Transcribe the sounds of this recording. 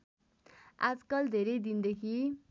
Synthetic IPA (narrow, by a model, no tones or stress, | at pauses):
a̰d͡zkʌld̪ʱeɾʌjd̪ind̪ekʰi